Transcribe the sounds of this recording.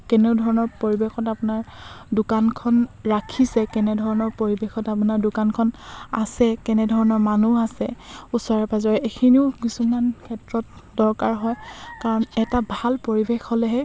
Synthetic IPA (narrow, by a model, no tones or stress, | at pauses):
kɛneʊdʱɔɹɔnɔɹpoɹibexɔtapʊnaɹdʊkankʰɔnɹakʰisɛkɛnɛdʱɔɹɔnɔɹpoɹibexɔtap̬unaɹdʊkankʰɔna̰sɛkɛnɛdʱɔɹɔnɔɹmanuasɛusɔɹapazɔɹɛekʰiniʊkisumankʰɛtɹɔt̚dɔɹkaɹɦɔjkaɹɔnɛtabʱalpoɹibexholɛɦɛ